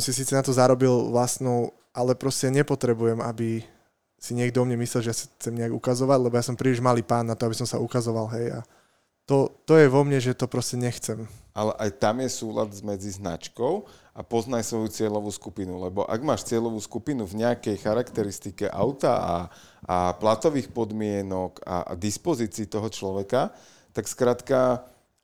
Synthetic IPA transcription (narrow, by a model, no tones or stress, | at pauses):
sɔmsisiːt͡sɛnat̪ɔzaɾɔbilʋlasnɔʊ | ʔalɛpɾɔscɛɲɛpɔt̪ɾɛbujɛmabi | siɲɪɛɡd̪ɔɔmɲɛmislɛlˠʒɛjasḁxt͡sɛmɲɛaɡukazɔʋaɟlɛbɔjasɔmpɾiːliʒmaliːpaːnːat̪ɔabisɔmsaukazɔʋalɦɛja̰ | t̪ɔt̪ɔjɛʋɔmɲɛʒɛt̪ɔpɾɔscɛɲɛxt͡sɛmʔalɛʔajt̪amjɛsuːla̰d̪zmɛd͡zizna̰t͡ʃkɔʊʔapɔznajsʋɔjut͡sɪɛʎɔʋuːskupinulɛbɔ̰ʔa̰ɡmaːʃt͡sɪɛʎɔʋuːskupinuvɲɛakɛjxaɾakt̪ɛɾist̪ikɛʔa̰ʊt̪a̰a̰ | aplat̪ɔʋiːxpɔd̪mɪɛnɔka̰a̰d̪ispɔziːt͡siːt̪ɔɦɔt͡ʃlɔʋɛka | t̪akskɾaːt̪ka